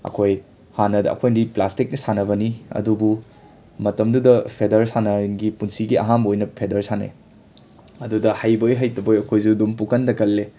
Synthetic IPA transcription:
ɐ̰kʰoj | hanɐdɐɐ̰kʰojndiplastik̚nisanɐbɐniɐ̰dubu | mɐtɐmdudɐpʰedɐɾsanɐɡipunsiɡiɐ̰ɦambojnɐpʰedɐɾsanḛ | ɐdudɐhajbojɦajtɐbojɐkʰojsudumpukʰɐndɐkɐlːe

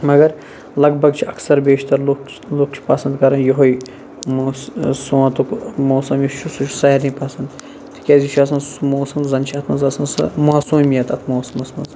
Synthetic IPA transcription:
mɐɡɐɾ | lɐɡ̚bʱɐɡt͡ʃʰiɐksɐɾbeːʃt̪ɐɾlok | loːk̚t͡ʃʰi̥pɐsɐnd̪kɐɾɐnjoɦoj | mosoãnt̪ukmoːsɐmjiʃt͡ʃʰusut͡ʃʰu̥sɐjɐɾnĩpɐsɐnd̪ | t̪ʰi̥kʲɐzit͡ʃʰɐs̬ɐnsmoːsɐmzɐnt͡ʃʰiɐt̪ʰmɐzɐsɐnsɨ̰maːsuːmijɐt̪ɐt̪ʰmoːsɐmɐsmɐz

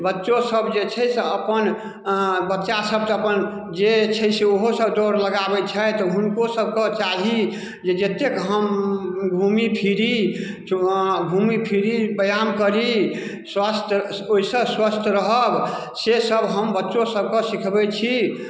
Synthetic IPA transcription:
bətːʃosəbd͡ʒet͡ʃʰɛjseəpən | bətːʃasəb̚t̪əpən | d͡ʒet͡ʃʰɛjseoɦosəbd̪ɔɾləɡabɛt͡ʃʰɛt̪ɔɦunkosəb̚kɔt͡ʃaɦi | d͡ʒed͡ʒet̪ekɦəmbʱumipʰiɾi | bʱumipʰiɾibəjamkəɾi | swast̪ʰ | oisə̃swəst̪ʰɾəɦəb | sesəbɦəmbətːʃosəb̚kɔsikʰbɛt͡ʃʰi

